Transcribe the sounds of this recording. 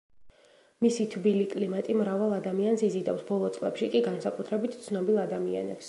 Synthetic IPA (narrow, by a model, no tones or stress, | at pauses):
misit̪ʰbilikʼlimat̪ʼimɾavalˠad̪amiansizid̪a̰fsbɔlˠɔt̪sʼlˠɛ̰pʃikʼiɡansakʼut̪ʰɾɛbit̪ʰt̪sʰnɔbilˠad̪amia̰nɛ̰ps